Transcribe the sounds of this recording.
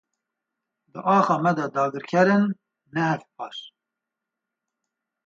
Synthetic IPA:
d̪ɨʔɑːxɑːmɛd̪ɛd̪ɑːɡɨɾkʰɛɾɨnː | ɛhɛfp̚ʰɑːɾ

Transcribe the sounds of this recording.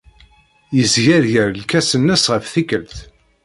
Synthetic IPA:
jəzʝæɾʝəɾlkæsənːæsʁəfθikəlθ

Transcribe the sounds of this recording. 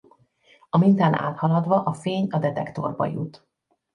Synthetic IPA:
ɒmint̪aːna̰ːt̪hɒlɒd̪ʋɒʔɒfeːɲɒd̪ɛt̪ɛkt̪o̞̰rbɒ̰jṵt̪

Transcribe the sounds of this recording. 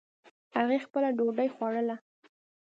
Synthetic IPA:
haɣexpəlaɖoɖajxwɑɽəla

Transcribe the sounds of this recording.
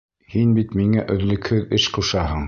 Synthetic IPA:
hinbit̪miŋæʔɵ̆ðlɘ̆khɵðɘʃquʃɑɦɤɴ

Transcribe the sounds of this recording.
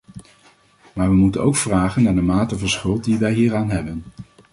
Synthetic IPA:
maːɹʋəmutənowkfraːχənːaːɹdəmaːtəvɑnsχɵlˠt̚diʋɛjɦiːɹaːnɦɛbən

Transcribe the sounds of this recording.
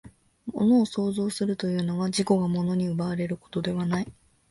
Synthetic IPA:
mo̞̰no̞ːso̞ːzo̞ːsɨɾɯ̟t̪o̞jɯ̟ːno̞ɡaʑiko̞ɡamo̞no̞ɲ̟iɯ̟baːɾe̞ɾɯ̟ko̞̥t̪o̞d̪e̞βanai

